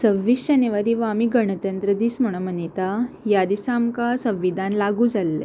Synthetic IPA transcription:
səʋːiːsd͡ʑəneʋaɾiːʋamiːɡəɳ̃ət̪ənt̪ɾəd̪iːsm̤əɽ̃õmənit̪ajad̪isamkasə̃ʋːid̪ʱanlaɡuːd͡zalːḛ

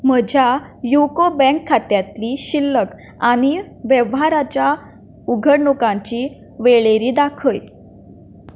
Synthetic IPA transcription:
məd͡ʑʱjajukobɛ̃ŋkʰːat̪jat̪liɕilːək | aɽ̃i | ʋɛʋɦaɾat͡ɕja | uɡʱəɽɳukãɲt͡ɕi | ʋeɭeɾiːd̪akʰəj

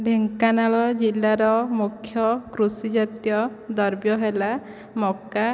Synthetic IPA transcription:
ɖʱeŋkanaɭɔd͡ʒilːaɾɔmukʰːjɔkɾusid͡ʒat̪jɔd̪ɔɾbjɔɦela | mɔka

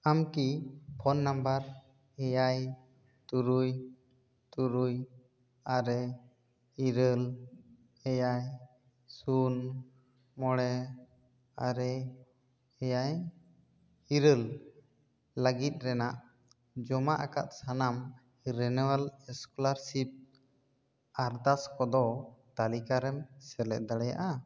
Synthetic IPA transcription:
amkipʰɔnːambəɾ | hɛjaj | t̪uɾuj | t̪uɾuj | aɾɛ | iɾəl | ɛjaj | sun | mɔɽɛ | aɾɛ | hɛjaj | hiɾəl | əɡit̪̚ˀɾɛnaʔ | d͡ʒɔmaʔaka̰t̪̚sanam | ɾɛnɛwalɛskɔlaɾsip̚ | aɾd̪askɔd̪ɔt̪alikaɾɛmsɛlɛʔ̚d̪aɽɛja̰ʔa

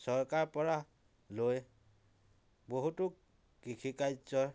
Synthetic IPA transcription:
sɔɹkaɹpɔɹa | loj | boɦutʊk | kːikʰikajzɔ

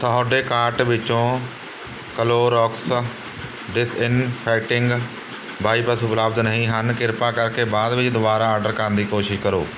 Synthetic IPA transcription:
t̪ʰəɦoːɖeːkaːɾʈʋɪt͡ʃõː | kəloːɾɔːks | ɖɪsɪnpʰɛːk̚ʈɪŋɡ | baːiːpəsʊpləːbd̪nəɦĩːɦənkɪɾpaːkəɾkeːbaːd̪ʋɪt͡ʃd̪ʊbaːɾaːaːɖəɾkəɾənd̪iːkoːʃɪʃkəɾoː

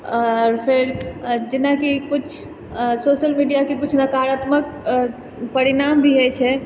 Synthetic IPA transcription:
ɔɾpʰeɾd͡ʒɪnakikʊt͡ʃʰ | soʃəlmiɖijakekʊt͡ʃʰnəkaɦɾat̪mək̚ | pəɾinambʱiɦɛt͡ʃʰɛ

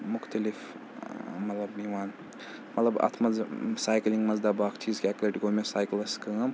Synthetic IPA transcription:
mʊxt̪ɐlif | mɐt̪lɐbiʋaːn | mɐt̪lɐbɐ̰t̪ʰmɐzsaːjkliŋɡmɐzd̪abaːkʰt͡ʃʰiːzkiɛklɐʈɡoːmesaːjklɐskɐm

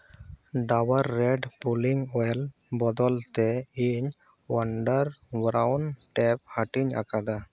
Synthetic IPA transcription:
ɖawəɾːɛɖpuliŋɔl | bɔd̪ɔlt̪ɛiɲ | wəɳɖəɾbɾawnʈɛp̚haʈiɲa̰kad̪a

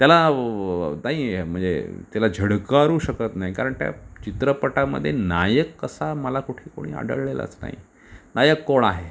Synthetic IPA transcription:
t̪jala | naɦim̤əɳd͡zḛt̪jalad͡ʑʱəɽkaɾuːɕəkət̪naɦikaɾəɳt̪ja̰t͡ɕit̪ɾəpəʈamə̰d̪ʱːjenajəkːəsaməlakuʈʰiːko̰ɽ̃ḭːa̰ɖə̰ɭlela̰t͡sna̰ɦḭ | najəkːoɭaɦe

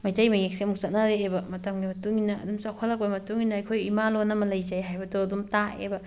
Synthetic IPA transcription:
majtajmajŋek̚semuk̚sɐt̚naɾeːbɐmɐtɐmɡimɐtuŋinɐ̰ːdumsakʰalakojmɐtuŋinɐːjkʰojimalonɐmɐlɐjzajɦajbɐdoɐdumtaḛbɐ

